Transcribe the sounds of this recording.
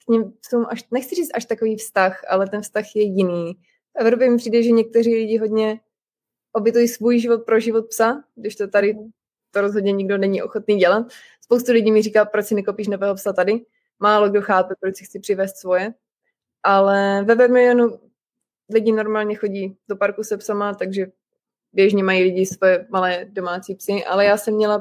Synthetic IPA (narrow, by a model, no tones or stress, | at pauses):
kɲɪmpsumʔaʃnɛxt͡sɪriːt͡st̪ʔaʃt̪akoviːfst̪axʔa̰lɛt̪ɛnfst̪axjɛjɪniː | fʔɛvɾop̬jɛmɪpr̥iːdɛʒɛɲɛk̚t̪ɛriːlɪɟɪɦo̞dɲɛ | ʔobjɛt̪ujisvujʒɪvot̪̚pɾoʒɪvot̪̚psaɡdɪʃt̪ot̪adɪ | t̪oɾozɦodɲɛɲɪɡdo̞nɛɲiʔo̞̰xot̪niːɟɛlat̪̚ | spowst̪ulɪɟiːmɪriːkaːpɾocsɪnɛkopiːʃ̬novɛːɦopsat̪adɪ | maːlo̞ɡdo̞xaːpɛpɾosɪxt͡sɪpr̥ɪvɛːst̪svo̞jɛ | ʔalɛvɛvɛmɪlɪonu | lɪɟɪno̞ɾmaːlɲɛxo̞ɟiːdo̞paɾkusɛpsamat̪aɡʒɛ | bjɛʒɲɛmajiːlɪɟɪsvojɛmalɛːdo̞maːt͡siːpsɪʔa̰lɛjaːsɛmːɲɛla